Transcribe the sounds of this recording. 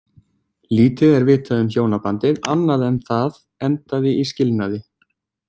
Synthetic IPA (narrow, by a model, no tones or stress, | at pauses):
liːt̪ɪðɛɾvɪːt̪ʰaðʏmçjoːwnapant̪ɪðanːaðɛnθað | ɛnt̪aðɪiscɪlnaðɪ